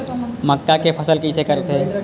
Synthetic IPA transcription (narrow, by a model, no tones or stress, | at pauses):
məkkakepʰɐsəlkisekəɾt̪ʰe